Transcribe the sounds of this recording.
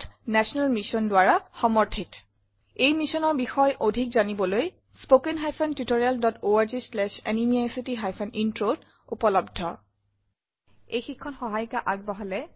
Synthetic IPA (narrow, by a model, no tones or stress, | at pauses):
tnɛsɔnalmisɔndʊwaɹaxɔmɔɹtʰit | ejmisɔnɔɹbixɔjʔodʱik̚zanibɔloj | spokenɦajpʰɔntutoɹialdɔtoaɹzislɛʃɛ̰nimiajsitiɦajpʰɛnintɹod | upɔlɔbdʱɔ̰ | ejxikʰːɔnxɔɦajkaʔaɡ̚bɔɦɔlɛ